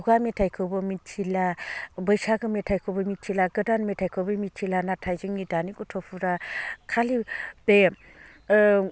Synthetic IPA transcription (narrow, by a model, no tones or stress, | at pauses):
uɡametʰajkʰɯwbɯmit̚t͡ʃʰilabɯjsaɡɯmetʰajkʰɯwbɯmit̚t͡ʃʰilaɡɯdanmetʰajkʰɯwbɯmit̚t͡ʃʰilanatʰajzɯŋnidanikutʰɔpʰuɾakʰalibe